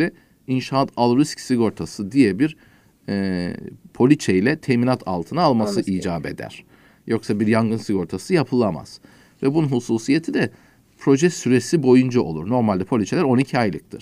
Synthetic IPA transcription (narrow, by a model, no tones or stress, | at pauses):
ɛ | inʃaat̪ʰalˠɾiscsiɡo̞ɾt̪ʰasɯd̪ijɛbiɾ | ɛpʰo̞lʲit͡ʃʰejlʲɛt̪ʰɛminat̪ʰa̰lˠt̪ʰɯnaːlˠmasɯʔiːd͡ʒaːbe̞̰d̪æ̰ɾ̥ | jo̞ksabiɾjaŋɡɯnsiɡo̞ɾt̪ʰasɯjapʰɯlˠama̰z̥ | vɛbununɦusuːsije̞t̪ʰid̪ɛ | pʰɾo̞ʒɛsyɾesibo̞jund͡ʒaʔo̞̰lˠṵɾno̞ɾmalʲd̪ɛpʰo̞lʲit͡ʃʰlʲæɾo̞nicʰiajlˠɯk̚t̪ʰɯɾ̥